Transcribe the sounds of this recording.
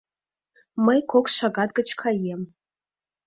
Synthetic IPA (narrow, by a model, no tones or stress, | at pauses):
mɨjkʷʰokʰʷʂʷaɡad̪̚ɡɨt͡ʃʰkʰajem